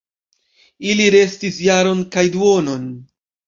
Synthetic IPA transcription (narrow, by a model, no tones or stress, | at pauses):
iliɾe̞stisjaɾo̞nkajduo̞no̞n